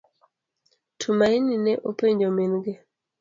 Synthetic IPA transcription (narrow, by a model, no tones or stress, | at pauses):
tʰumaininɛʔopeɲd͡ʒominɡe